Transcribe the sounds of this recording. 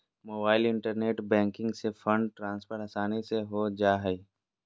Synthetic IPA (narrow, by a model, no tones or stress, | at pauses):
moːbaːɪlɪ̃ɳʈəɾneːʈbɛ̃ːŋkɪ̃ŋɡsefʰə̃ɳɖʈɾãːnspʰəɾɐsaːniseɦod͡ʒaːɦɛi